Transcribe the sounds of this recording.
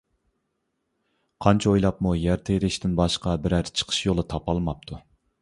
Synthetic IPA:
qʰɑnt͡ʃʰɛojlˠɑpmujæɾt̪ʰeɾɪʃt̪ɪnbɑʃqɑbɪɾæɾt͡ʃʰə̥qʰə̥ʃjolˠɨt̪ʰɑpɑlˠmɑp̚t̪ʰu

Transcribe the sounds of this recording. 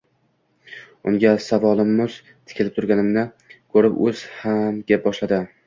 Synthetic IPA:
ʊŋɡʲasavɒlˠɪmːʊz̥ | t̪ʰɪ̥kʲʰɪlɪp̚t̪ʰʊɾɡʲanɪmnɪ | kʰɵɾɪpɵz̥hamɡʲep̚bɒʃlad̪ɪ

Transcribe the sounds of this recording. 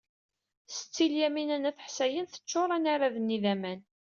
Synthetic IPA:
sə̥t͡sːiljæminænæθəħsæjənθə̥t͡ʃːoɾˤanaɾaðənːiðæmæn

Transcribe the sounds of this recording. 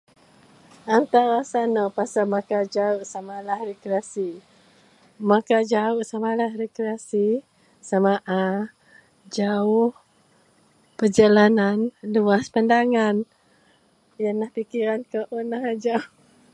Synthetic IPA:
ant̪aɾasanapasalmakad͡ʒauʔsamalahrɛkɾeasi | makad͡ʒauʔsamalahrekɾeasi | samaʔa | d͡ʒaʊh | pərd͡ʒalananluaspandaŋan | janlahpikiɾankəʔonaɦad͡ʒaw

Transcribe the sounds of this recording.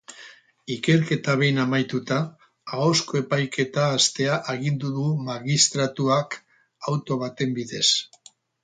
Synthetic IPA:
ike̞ɾke̞t̪aβe̞jnamajt̪ut̪aː | o̞sko̞e̞pajkʰe̞t̪aːst̪e̞aʔeɣind̪uðumaɣist̪ɾat̪uak | awt̪o̞βat̪e̞mbiðe̞s

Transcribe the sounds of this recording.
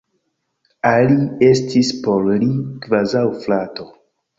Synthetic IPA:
alie̞stispo̞llikvazawflato̞

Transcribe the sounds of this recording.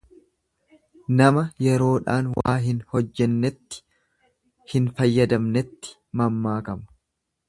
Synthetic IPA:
nɐmɐjɛɾo̞ːᶑa̰ːnwa̰ːɦɪnhɔd͡ʒːɛnːɛt̪ːɪ̥ | hɪnfɐjːɐd̪ɐmnɛt̪ːɪ̥ | mɐmːaːkɐmɐ̥

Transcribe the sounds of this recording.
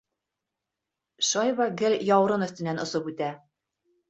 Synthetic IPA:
ʃɑjvɑɡɘlʲjɑwɾɤnɵ̆θt̪ɘ̆nænŏsopʉt̪æ

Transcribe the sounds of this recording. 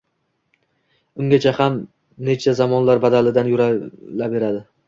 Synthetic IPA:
ʊŋɡʲat͡ʃʰaham | net͡ʃʰazamɒnlaɾbad̪alɪd̪anjʊɾalabe̞ɾad̪ɪ

